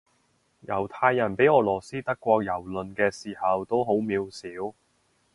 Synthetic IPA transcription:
jɐ˨˩wt̪ʰaː˧jːɐ˨˩npe˨˥jɔː˨˧lɔː˨˩siː˥t̪ɐ˥kːʷɔː˧k̚jɐ˨˩wlɵ˨nkɛː˧siː˨˩hɐ˨wt̪o˥wɦo˨˥wmiː˨˧wsiː˨˥w

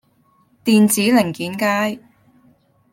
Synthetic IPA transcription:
t̪iː˨nt͡siː˨˥lɪ˨˩ŋkiː˨˥nkaː˥j

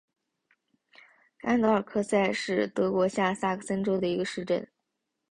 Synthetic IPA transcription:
a̰˥nd̪ɤ˧˥ə˞˨˩kʰɤ˥˧sa˥˧ɪʂɻ̩˥˩t̪ɤ˧˥kwɔ˧˥ɕja˥˩sa˥˩kʰsə˥nʈ͡ʂo˥ʊd̪ə˨i˧˥ɡə˧ʂɻ̩˥˧ʈ͡ʂə˥˩n

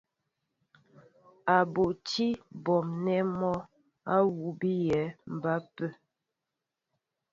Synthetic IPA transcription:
a˨bo˨ti˦bɔ˨mnɛ˦mɔ˦ | a˦wu˨˦bi˦jɛ˨˦m̩˨ba˦pə˦˨

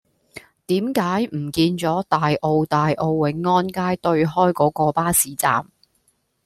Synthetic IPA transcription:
t̪iː˨˥mkaː˨˥jm̩˨˩kiː˧nt͡sɔː˨˥t̪aː˨jʔo˧wt̪aː˨jʔo˧wwɪ˨˥ŋːɔː˥nkaː˥jt̪ɵ˧ɥɦɔː˥jkɔː˨˥kɔː˧paː˥siː˨˥t͡sa̰ː˨m

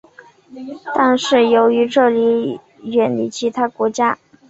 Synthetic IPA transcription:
t̪a˥˧nʂɻ̩˥˩jo˧˥ʊy˧˥ʈ͡ʂɤ˥˩li˧˥ | ɥɛ˨˩nli˥˩t͡ɕʰi˧˥t̪ʰa˥kwɔ˧˥t͡ɕja˥

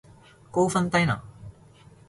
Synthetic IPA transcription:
ko˥wfɐ˥nt̪ɐ˥jna̰˨

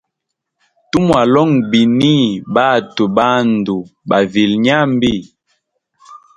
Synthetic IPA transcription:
tu˦mwa˨lɔ˦ŋbi˨ni˦ba˦˨tu˨ba˦n˨du˨ba˨vi˨lɲa˦m˦bi˦˨

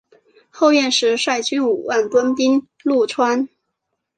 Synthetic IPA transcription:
xo˥˧ʊɥɛ˥˩nʂɻ̩˧˥ʂwa˥˩ɪt͡ɕy˥nu˨˩wa˥˩nt̪wə˥npi˥ŋ | lu˥˩ʈ͡ʂʰwa˥n

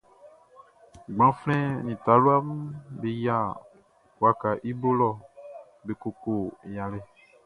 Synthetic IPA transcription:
ɡ͡bã˨˦flɛ̃˦nĩ˨ta˨˦lo˦a˦m˦be˨ja˦˨ | wa˨ka˨ʔi˦bo˦lɔ˦˨ | be˨ko˨ko˨jã˨le˦˨

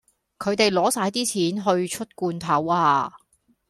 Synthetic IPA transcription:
kʰɵ˨˧ɥt̪e˨jlɔː˨˧˥saː˧˥jt̪iː˥t͡sʰiː˨˥nɦɵ˧ɥt͡ʃʰɵ˥t̚kuː˧nt̪ʰɐ˨˥waː˧

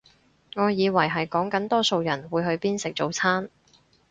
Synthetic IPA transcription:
ŋɔː˨˧jiː˨˧wɐ˨˩jɦɐ˨jkɔː˨˥ŋkɐ˨˥nt̪ɔː˥so˨˧wjɐ˨˩nwuː˨˧jɦɵ˧ɥpiː˥nsɪ˨k̚t͡so˨wt͡sʰaː˥n

